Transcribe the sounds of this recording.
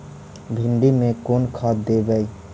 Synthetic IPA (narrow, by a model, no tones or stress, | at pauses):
bʱɪɳɖimẽkoːnkʰaːt̪̚d̪eɡai